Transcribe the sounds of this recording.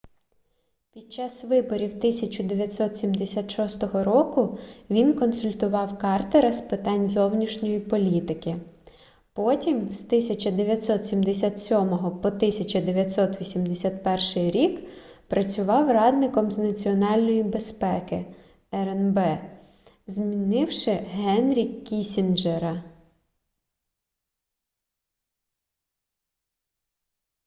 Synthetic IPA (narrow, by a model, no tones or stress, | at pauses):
pʲid̪̥̚t͡ʃɑsʋɪbɔɾʲiwt̪ɪsʲɐt͡ʃʊd̪eʋʲjɐt̪ʲsɔt̪sʲimd̪esʲat̪ʃɔst̪ɔɦɔɾɔkʊʋʲinkɔnsʊlʲt̪ʊʋɑwkɑrt̪eɾɐspɪt̪ɑnʲzɔwnʲiʃnʲɔjipɔlʲit̪ɪkɪ | pɔtʲimst̪ɪsʲɐt͡ʃɐd̪eʋʲjɐt̪ʲsɔt̪sʲimd̪esʲat̪sʲɔmɔɦɔpɔt̪ɪsʲɐt͡ʃɐd̪eʋʲjɐt̪sɔt̪ʋʲisʲimd̪esʲat̪pɛrʃɪjɾʲikpɾɐt͡sʲʊʋɑwrɑd̪nɪkɔmznɐt͡sʲiɔnɑlʲnɔjibe̞spɛkɪ | ɛɾɛnbɛ | zmʲinɪwʃɪɦɛnɾʲikʲːisʲind͡ʒeɾɐ